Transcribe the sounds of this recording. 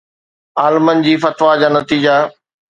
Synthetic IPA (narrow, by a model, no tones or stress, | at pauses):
aːlmənɪ̆d͡ʑiːfɐt̪ʋad͡ʑaːnɐt̪iːd͡ʑa